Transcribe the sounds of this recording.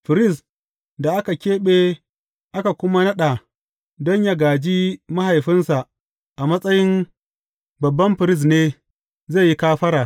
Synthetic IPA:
ɸɪ˨ɾɪ˦˨s | da˨ʔa˦ka˨kʲeː˦ɓeː˦ | ʔa˦ka˨kʷʊ˦ma˦nɐ˦ɗa˨ | dɔ˦ɲja˦ɡaː˨d͡ʒi˦ma˦ha˨jɸɪ˦nsa˨ | ʔa˨mɐ˦sʼɐ˦jɪ˦n | bɐ˨bːɐ˦mɸɪ˨ɾɪ˦˨s̬neː˦ | ze˦˨ji˦kaː˦ɸɐ˦ɾaː˨

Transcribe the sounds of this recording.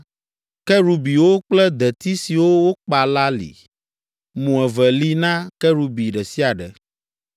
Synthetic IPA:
kɛ˦ɾu˨bi˨wo˦k͡plɛ˦d̪ɛ˨t̪i˦si˨wo˦wo˦k͡pa˨la˦lḭ˨ | mũ˨ɛ˨vɛ˨li˦nã˦kɛ˦ɾu˦bi˨ɖɛ˨si˦a˨ɖɛ̰˨

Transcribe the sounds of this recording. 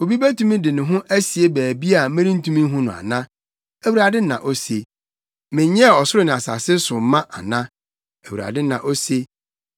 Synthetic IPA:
o˨bi˦bæ˦tʰu˦mĩ˦dɪ˨nʊ̃˨ɦʊ̃˦ʔæ˦si˨e˦bæː˨bi˦a˨mɪ̃˦ɾĩ˦n̩˦tũ˦mĩ˦ɦʊ̃˦nʊ̃˨a̰˨nã˦ | æ˨wu˨ɾa˨dɪ˦nã̰˨ʔo˦se˨ | mɪ̃˨ɲ˦ɛ˦˨ɔ˨sʊ˦ɾʊ˦nɪ̃˨a˨sa̰˨sɪ˦sʊ˨m˦mã˦ʔa˨nã˦ | æ˨wu˨ɾa̰˨dɪ˦nã̰˨ʔo˦se˦

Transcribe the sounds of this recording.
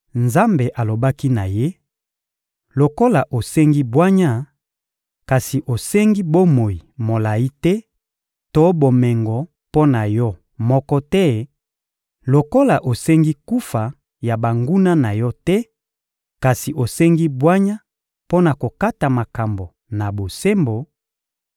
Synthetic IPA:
nza˦mbe˨ʔa˨lo˨ba˦ki˦na˨je˦ | lo˨ko˦la˨ʔo˨sɛ˦ŋɡi˦bwa˦ɲa˦ | ka˨si˨ʔo˨se˦ŋɡi˦bo˦mo˨ji˨mo˨la˨i˦tɛ˦ | to˦bo˨mɛ˨ŋɡɔ˨ | po˦na˨jɔ˦ | mɔ˦kɔ˦tɛ˦ | lo˨ko˦la˨ʔo˨sɛ˦ŋɡi˦ku˦fa˨ | ja˨ba˨ŋɡu˦na˦na˨jɔ˦tɛ˦ | ka˨si˨ʔo˨sɛ˦ŋɡi˦bwa˦ɲa˦ | po˦na˨ko˨ka˦ta˨ma˨ka˨mbo˨ | na˨bo˨se˦mbo˨

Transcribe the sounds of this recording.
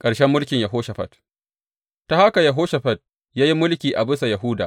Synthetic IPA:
kʼɐ˨ɽʃɛ˦mːʊ˦lkʲɪ˨ɲjɐ˨ɦoː˦ʃɐ˨ɸɐ̰˨t | ta˨ha˦ka˨jɐ˨ɦoː˦ʃɐ˨ɸɐ˦t̚ | jaː˦ji˦mʊ˦lkʲiː˨ʔa˨bɪ˦sa˨ja˨ɦʊː˦da̰ː˨

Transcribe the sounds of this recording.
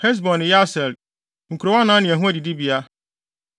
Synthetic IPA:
hɛ˦s̬bɔ̃˨nɪ̃˨ja˦sɛ˨l | ŋ̩˨kʰu˨ɾo˨wa˦nãː˨˦nɪ̃˨æ˨ɦũ˦æ˦di˨di˦bi˨a˦

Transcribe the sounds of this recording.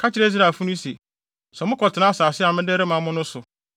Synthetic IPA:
kʰa˦t͡ɕɪ˦ɾe˦z̬i˦ɾa˨fu˦nʊ̃˦se˨ | sɛ˨mʊ̃˦kʰɔ˨tʰɪ˨nã˦saː˨sɪ˦a˨mɪ̃˦dɛ˦ɾɪ˦mã˨mʊ̃˦nʊ̃˦sʊ˨

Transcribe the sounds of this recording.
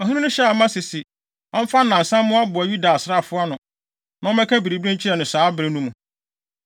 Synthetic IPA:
ɔ˨ɦĩ˦nɪ̃˦nʊ̃˦ɕɛ˦a˨mã˦sɪ˨si˨ | ɔ˦m̩˦fa˦˨nã˨n̩˨sã˦mːʊ̃˦a˦bʊ˨a˨ju˦da˨sɾa˦˨fʊ˦a˦nʊ̃˨ | nã˦ɔ˦mɛ̃˦kʰæ˦bi˨ɾi˨bi˦ĩ˦ɲ˦t͡ɕʰɪ˦ɛ˨nɪ̃˨saː˨˦bɾɪ˦nũ˦mũ˨

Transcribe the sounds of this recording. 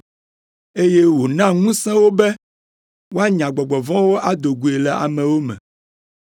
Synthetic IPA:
e˦je˦wo˨nã˦ŋũ˦sɛ̃˦wo˦bɛ˦ | wo˦a˦ɲã˨ɡ͡bɔ˨ɡ͡bɔ˨vɔ̃˦wo˦ʔa˦d̪o˨ɡu˨e˨lɛ˨a̰˨mɛ̃˨wo˦mɛ̰̃˨

